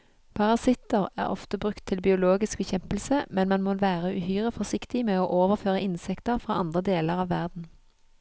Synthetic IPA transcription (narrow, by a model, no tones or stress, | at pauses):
pʰɑʁɑsɪt̪əʁæ̰ːʁɔ̰ft̪əbʁʉkt̪ʰːɪlbɪʊloːɡɪsk̚bɛçɛmpəl̩səmɛnmɑnmoʋæːʁəʉ̰hyːʁəfɔʁsɪkt̪ɪmeːoːʔoːʋəʁføːʁəʔɪnsɛkt̪əʁfʁɑːʔɑnd̪ʁəd̪eːləʁɑːʋːæʁd̪n̩